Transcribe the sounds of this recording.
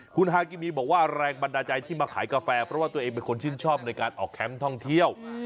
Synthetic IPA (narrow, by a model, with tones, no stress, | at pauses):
kʰu˧nɦaː˧kiː˧miː˧bɔː˨˩k̚waː˥˩ɾɛː˧ŋba˧ndaː˧t͡ɕa˧jt̪ʰiː˥˩maː˧kʰa̰ː˩˦jkaː˧fɛː˧pʰɾɔ˦waː˥˩t̪u˧ɐʔeː˧ŋpe˧nkʰo˧nt͡ɕʰi˥˩nt͡ɕʰɔː˥˩p̚na˧jkaː˧nʔɔ̰ː˨˩kʰːɛ˦˥mt̪ʰɔ˥˩ŋt̪ʰi˥˩əw